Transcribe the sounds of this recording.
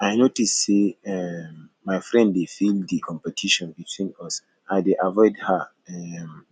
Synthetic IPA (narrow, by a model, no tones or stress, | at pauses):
aɪnotisseɛmː | aɪfɹɛ̃nddefildikʰɔ̃mpɛtʰiʃɔ̃nbitʰwĩnɔs | ʔaɪdeʔavɔɪdha | ɛm